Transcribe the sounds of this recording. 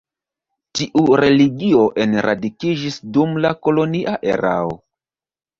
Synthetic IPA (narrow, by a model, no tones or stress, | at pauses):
tiʔuɾe̞liɡio̞ʔe̞nɾʔa̰dikid͡ʒisdumlako̞lo̞niʔaʔe̞̰ɾa̰o̰